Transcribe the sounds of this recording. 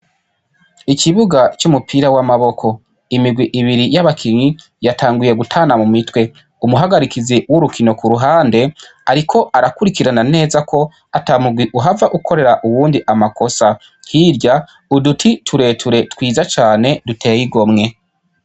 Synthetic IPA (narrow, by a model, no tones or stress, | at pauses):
ikiβuɡat͡ʃumupʰiːɾawamaβo̞kʰo̞ | imiɡwiʔiβiɾijaβakʰiɲi | jataːŋɡuje̞ɡutʰaːnamumitwe̞ | umuɦaɡaɾikiziwuɾukʰino̞kuɾuɦaːnde̞ | aɾikʰo̞ʔaɾakuɾikiɾanane̞ːzakʰo̞ | atamuɡwiʔuɦavaʔukʰo̞ɾe̞ɾaʔuwuːndiʔamako̞sa | hiːɾɟa | udutʰitʰuɾe̞tʰuɾe̞twiːzat͡ʃaːne̞dutʰe̞ːjiɡo̞mŋe̞